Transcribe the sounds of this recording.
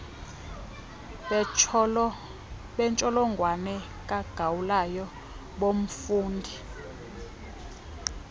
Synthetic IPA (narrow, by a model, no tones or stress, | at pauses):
ɓɛnt͡ʃʼɔlɔŋɡʱwanɛ | kʼaɡ̥ʱawulajɔ | ɓom̩fuːndʱi